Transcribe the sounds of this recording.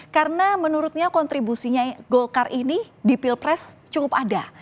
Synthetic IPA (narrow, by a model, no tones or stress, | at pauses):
kaɾənamənuɾʊt̪̚ɲakɔnt̪ɾibusiɲaɡolkarini | dipilpɾɛst͡ʃukʊpada